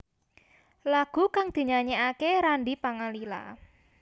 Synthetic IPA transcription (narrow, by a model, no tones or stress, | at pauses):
laɡ̥ṳkaŋd̪̥i̤ɲaɲeakeɾaɳɖipaŋalila̰